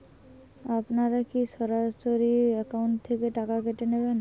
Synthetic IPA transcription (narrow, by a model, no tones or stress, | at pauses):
apnaɾakiʃɔɾaʃoɾiɛkauɳʈt̪ʰekeʈakakeʈeneben